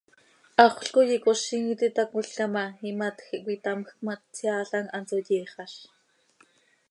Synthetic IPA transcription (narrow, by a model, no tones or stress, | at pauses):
ɑχʷɬkojikoʃiŋit̪it̪akʊɬkamɑimat̪xiʔkʷit̪amxkmat̪t͡sjaːɬɑŋɑnt͡sojiːχɑʃ